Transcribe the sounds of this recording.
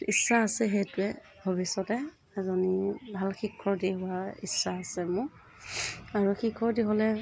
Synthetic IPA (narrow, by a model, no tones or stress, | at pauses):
isaːsɛɦetɛ | bʱabisɔtɛ | ɛzɔnibʱalxikʰːɔɹdiɦʊaḭsːaːsɛmʊ | aɹuxikʰɔɹdiɦɔlɛ